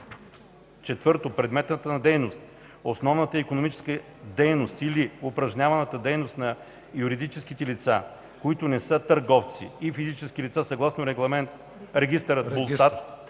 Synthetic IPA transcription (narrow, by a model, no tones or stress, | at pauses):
t͡ʃɛt̪vɤɾt̪opɾɛd̪mɛt̪nət̪ənɐd̪ɛjnost̪ | osnɔvnət̪əikonomit͡ʃɛ̥skə | d̪ɛjnost̪iliʊpɾɐʒɲʲavɐnət̪əd̪ɛjnost̪nɐ | juɾid̪it͡ʃɛskit̪ɛlit̪sa | koit̪ʊnɛsɤət̪ɐɾɡɔft̪sḭifizit͡ʃɛskilit̪sasɐɡlˠasnoɾɛɡlˠɐmɛnt̪ | ɾɛɡʲist̪əɾət̪̚bolˠst̪at̪